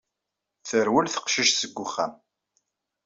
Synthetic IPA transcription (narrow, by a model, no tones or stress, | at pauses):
θəɾwəlθə̥qʃiʃsəɡːʊχːæm